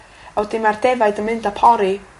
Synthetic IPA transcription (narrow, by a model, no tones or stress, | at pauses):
awdɪmardɛvaɨdənmɨndapʰɔɾi